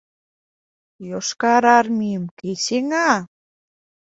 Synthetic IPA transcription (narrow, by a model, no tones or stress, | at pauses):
joʃkɑɾɑɾmiəmkeseŋɑ